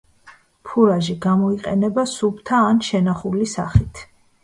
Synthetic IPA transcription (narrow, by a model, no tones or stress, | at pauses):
pʰuɾaʒiɡamɔiqʼɛ̰nɛbasubt̪ʰaːnʃɛnaχulisa̰χit̪ʰ